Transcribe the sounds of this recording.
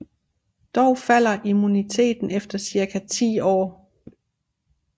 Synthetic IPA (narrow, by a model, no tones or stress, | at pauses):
d̥ɒʊfæl̰ɐʔimunit͡sʰe̝̰ːd̥n̩efd̥ɐsiɐkʰæt͡sʰḭːɒ̰ː